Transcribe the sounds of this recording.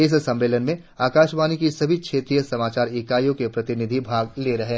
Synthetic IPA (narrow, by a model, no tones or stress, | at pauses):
ɪs̬sɐ̃mːeːlənmẽ | aːkaːʃbaːnikisɐbʱikʰeːt̪ɾijəsɐmaːt͡ʃaːɾɪkaːjõkepɾɐt̪ɪnɪd̪ʱibʱaːɡleɾɐɦe